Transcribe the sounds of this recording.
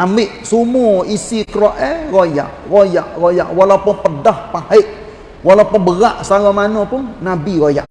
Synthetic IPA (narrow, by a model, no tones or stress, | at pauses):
amɪʔsumuisikɾoʔɛroja̰ʔrojaʔroja̰ʔwalawpʊnpədahpahɪʔ | walawpʊnbəɣaʔsalamanopʊnnabiɣoja̰ʔ